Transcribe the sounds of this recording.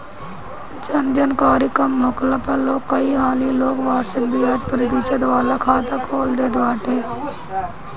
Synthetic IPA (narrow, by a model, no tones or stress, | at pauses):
d͡ʒənd͡ʒənkaːɾiːkəmːʊkləpəloːkːəiːɦaːliːloːkʋaːɾʃək̚biːad͡ʒpɾət̪iːʃəd̪ʋaːlaːkʰaːt̪aːkʰoːld̪eːd̪ʋaːʈeː